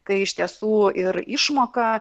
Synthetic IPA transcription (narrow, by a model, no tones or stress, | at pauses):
kɐɪɪʃʲt̪ʲiɛsuːɪɾɪʃmoːkɐ